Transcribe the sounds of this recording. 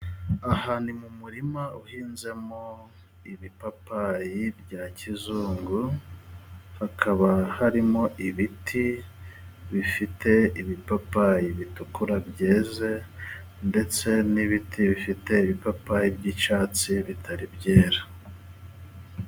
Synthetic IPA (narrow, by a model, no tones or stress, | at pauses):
ahaːnimumuɾimauhiːnze̞mo̞ | iβipapajibɟaːcizuːŋɡu | hakʰaβahaɾimo̞ʔiβitʰi | βifite̞iβipapajiβitukuɾabɟeːze̞ | nde̞t͡se̞niβitʰiβifite̞iβipapajibɟit͡ʃaːt͡siβitʰaɾibɟeːɾḁ